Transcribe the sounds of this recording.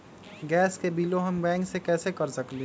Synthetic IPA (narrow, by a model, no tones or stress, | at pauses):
ɡɛːskebiːloɦəmbɛ̃ːŋksekɛːsekəɾsəkl